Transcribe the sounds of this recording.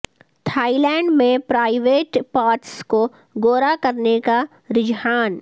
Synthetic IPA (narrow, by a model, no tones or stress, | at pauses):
t̪ʰaːilɛ̃ːɳɖmẽpɾaːɪʋeːʈpaːɾʈsko | ɡoːɾakɐɾneka | ɾɪd͡ʒɦaːn